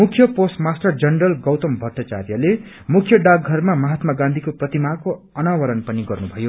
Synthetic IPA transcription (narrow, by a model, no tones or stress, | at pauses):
mukʰjʌposʈmasʈʌrd͡zʌnɖʌlɡʌwt̪ʌmbʱʌt̪at͡sa̰rjʌle | mukʰjʌɖaɡɡʱʌrmamʌɦat̪maɡãnd̪ʱikoprʌt̪imako | ʌnawʌɾʌnpʌniɡʌrnubʱʌjo